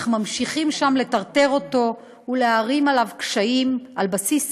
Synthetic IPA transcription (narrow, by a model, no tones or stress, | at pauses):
χmamʃiχimʃamle̞taʁt̪e̞ʁo̞to̞ | uleaʁimalavkʃaimalbasis